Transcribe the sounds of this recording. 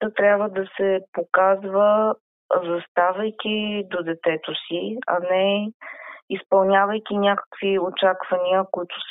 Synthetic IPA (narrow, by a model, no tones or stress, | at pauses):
ət̪ɾʲjabvəd̪ɐsɛpokazvə | zɐst̪avɐjk̟ʲid̪od̪ɛt̪ɛt̪osiɐ̰nɛ | ispɐlˠnʲavəjk̟ʲinʲakə̥kv̥iot͡ʃakvɐniəkʊit̪ʊ̥s